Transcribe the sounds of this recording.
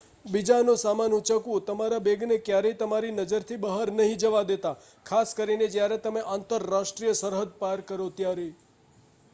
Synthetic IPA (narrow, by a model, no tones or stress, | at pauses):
bid͡ʒanũsamanut͡ʃəkʋũt̪əmaɾabeɡnekjaɾəit̪əmaɾinəd͡ʒəɾt̪ʰibəɦaɾnəɦĩd͡ʒəʋad̪et̪a | kʰaskəɾined͡ʒjaɾet̪əmeʔant̪əɾːaʃʈɾijəsəɾɦəd̪̚paɾkəɾot̪jaɾe